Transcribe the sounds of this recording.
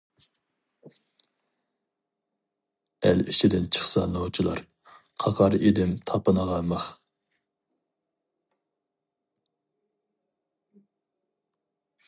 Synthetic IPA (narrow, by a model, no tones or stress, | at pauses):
æliʃid̪ɪnt͡ʃʰə̥χsɑnot͡ʃʰilˠɑɾ | qʰɑʁɑɾed̪ɪmt̪ʰɑpɨnəʁɑnmɑχ